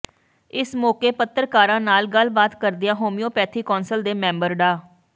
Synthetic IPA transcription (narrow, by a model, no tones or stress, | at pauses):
ɪsmoːkeːpət̪ːəɾkaːɾãːnaːlɡəlbaːt̪kəɾd̪ɪjãːɦoːmɪjoːpɛːt̪ʰiːkɔːnsəld̪eːmɛ̃ːmbəɾɖaː